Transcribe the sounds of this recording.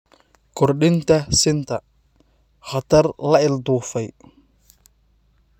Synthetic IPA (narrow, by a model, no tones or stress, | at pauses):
kʰɔrɗɪnt̪ʰɐsɪnt̪ʰɐ | χɐt̪ʰɐrlɐɪld̪uːfɛj